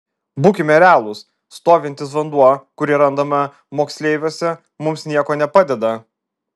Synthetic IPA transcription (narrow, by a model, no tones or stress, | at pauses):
buːkʲɪmʲɛɾʲæːlˠʊsː | t̪oːʋʲɪnʲt̪ʲɪs̬ʋɐnd̪uɔkʊɾʲɪɾɐnd̪ɐmɐ | moːksʲlʲeɪʋʲosʲɛ | mʊmsnʲiɛkoːnʲɛpɑːd̪ʲɛd̪ɐ